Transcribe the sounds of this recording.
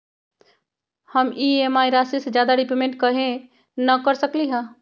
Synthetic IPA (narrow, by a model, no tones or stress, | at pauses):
həmiemaːiɾasised͡ʒjaːd̪aɖipemẽɳʈ̚kəɦẽ | nəkəɾsəkliɦə̃